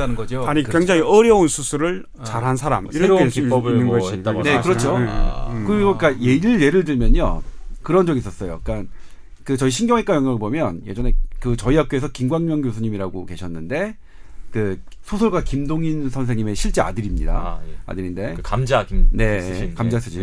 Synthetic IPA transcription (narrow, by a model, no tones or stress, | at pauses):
anɯnɡʌd͡ʑoaɲikweŋd͡ʑaŋŋiʌɾjʌunsʰusʰuɾɯɭ | t͡ɕaɾɦansʰaɾa̰mikibnːɯnʌanekɯɾʌt͡ɕʰo | kɯɾiɡok͈aje̞iɯɭːe̞ɾɯɭdɯɭmjʌɲʌ̰kɯɾʌnd͡ʑʌɡiːs͈ʌs͈ʌjo̰k͈an | kɯt͡ɕʌiɕʰinŋɡjʌŋɦek͈ajʌŋjaɡɯɭbomjʌnje̞d͡ʑʌne̞kɯt͡ɕʌiap̚k͈oe̞sʰʌkimɡwaŋmjʌŋɡjosʰuɲimiɾaɡoke̞ɕʰʌnːɯnde̞ | kɯ | sʰosʰʌɭɡwakimdoŋinsʰʌnsʰeŋɲime̞ɕʰiɭt͡ɕ͈ea̰dɯɾimɲḭda̰a̰dɯɾinde̞kamd͡ʑakine̞kamd͡ʑasʰɯd͡ʑi